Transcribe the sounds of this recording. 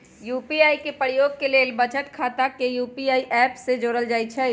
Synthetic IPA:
juːpiaːikepɾjoːɡ̚keleːlbət͡ʃəʈkʰaːt̪akejuːpiaːiʔɛːpsed͡ʒoːɾəld͡ʒaːit͡ʃʰɛ

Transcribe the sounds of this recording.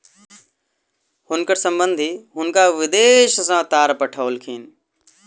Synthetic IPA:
hʊnkəɾsə̃mbə̃nd̪ʱiɦʊnkaːʋɪd̪eːʃsãːt̪aːɾpəʈʰəːlkʰiːn

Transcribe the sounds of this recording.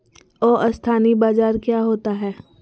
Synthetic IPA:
ɔːʔɐst̪ʰaːnibaːzaːɾkjaːɦoːt̪aɦɛː

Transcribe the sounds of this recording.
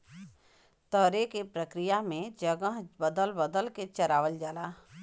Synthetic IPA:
t̪əɾekepɾəkɾijamẽd͡ʒəɡəɦbəd̪əlbəd̪əlket͡ʃəɾaːʋəld͡ʒalaː

